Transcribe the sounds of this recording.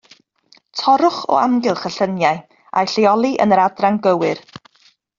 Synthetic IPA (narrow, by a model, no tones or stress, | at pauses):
tʰɔɾʊχɔ̰amɡɪlˠχəɬənjaj | a̰jɬeɔlˠiʔə̰nəɾadraŋɡəwɨr